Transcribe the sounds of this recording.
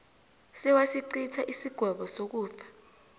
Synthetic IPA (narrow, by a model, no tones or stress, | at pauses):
sɛwasiǀitʰaʔisiɡ̥ʱwɛɓɔsok̬uːfḁ